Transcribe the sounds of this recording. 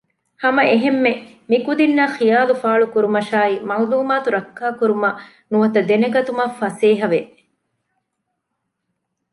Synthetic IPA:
hɐmɐʔeɦemːe | mikud̪inːɐxijaːlufaːɭukuɾumɐʃaːimɐuluːmaːt̪uɾɐkːaːkuɾumɐ | nuʋɐt̪ɐd̪enɐɡɐt̪umɐfɐseːɦɐʋe

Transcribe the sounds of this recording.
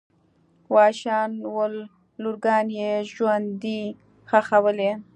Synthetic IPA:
wɑːʃɑːnwəlː | uɾɡɑnjeʒwand̪i | xaxawəle

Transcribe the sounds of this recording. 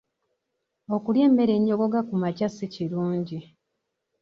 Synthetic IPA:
o̞kulje̞ːmːe̞ɾe̞ɲːo̞ɡo̞ɡakumacasiciɾuːɲɟi

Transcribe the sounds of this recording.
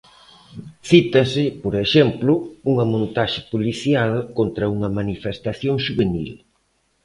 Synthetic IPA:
θit̪ɐsɪpoɾeʃɛmplʊuŋɐmõnt̪aʃɪpoliθjalkont̪ɾɐuŋɐmanifest̪aθjoŋʃuβenḭl

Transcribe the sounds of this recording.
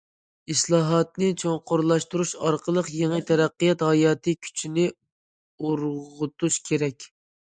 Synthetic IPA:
islˠɑːɦɑt̪nɨt͡ʃʰoŋqʰoɾlˠɑʃt̪uɾuʃɑɾqʰəlˠəqjeŋət̪ʰɛɾæqːijɑt̪hɑjɑːt̪ʰɨkʲʰy̥t͡ʃʰinɪ | oɾʁʁʊt̪ʰuʃkʲʰeɾɛkʲ

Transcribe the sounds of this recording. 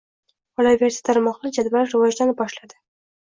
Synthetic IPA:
ɒlavʲeɾsi̥t̪ʰaɾmɒqlˠɪd͡ʒad̪baɾɾɪvɒd͡ʒlanɪp̚bɒʃlad̪ɪ

